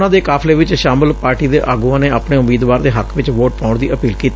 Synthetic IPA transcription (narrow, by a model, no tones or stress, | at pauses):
nãːd̪eːkaːpʰleːʋɪt͡ʃʃaːmɪlpaːɾʈiːd̪eːʔaːɡuãːneːaːpneːʊmiːd̪ʋaːɾd̪eːɦəkʰʋɪt͡ʃʋoːʈ̚paːʊɳd̪iːʔəpiːlkiːt̪ː